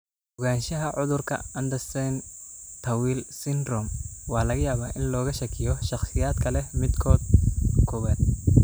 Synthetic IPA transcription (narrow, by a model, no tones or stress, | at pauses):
ʊɣaːnʃɐɦɐʕʊðʊrkʰɐ̰ɐnd̪ɐsɛnt̪ʰɐwiːlsɪnrɔmwɑːlɐɣɐjaːβaːʔɪnlɔːɣɐʃɐkʰɪjɔʃɑχsɪjaːd̪kʰɐlɛmɪd̪kʰɔːd̪̚kʰɔβaːd̪̚